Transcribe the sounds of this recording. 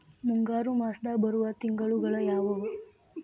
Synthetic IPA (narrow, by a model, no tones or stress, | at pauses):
muŋɡaːɾumaːsd̪aːbɐɾuʋɐt̪iŋɡɐɭuɡɐɭɐjaːʋɐʋu